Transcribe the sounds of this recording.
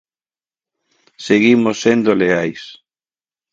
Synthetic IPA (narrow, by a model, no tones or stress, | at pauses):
seɣimosːend̪oleajs